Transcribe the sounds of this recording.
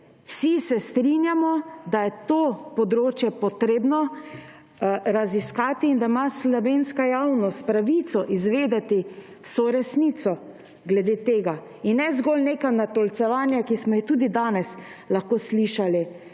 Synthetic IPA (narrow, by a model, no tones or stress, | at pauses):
wsisɛst̪ɾinjamɔd̪ajɛt̪opɔd̪ɾoːt͡ʃjɛpɔt̪ɾeːbnɔ | ɾaziskaːt̪iːnd̪amaslɔʋeːnskajawnɔst̪̚pɾaʋit̪sɔʔizʋeːd̪ɛt̪i | wsoːɾɛsnit̪sɔ | ɡlɛd̪eːt̪eːɡa | inːɛzɡɔlneːkanat̪ɔlt̪sɛʋaːnjakismɔjit̪uːd̪id̪aːnɛs | laxkoːsliʃali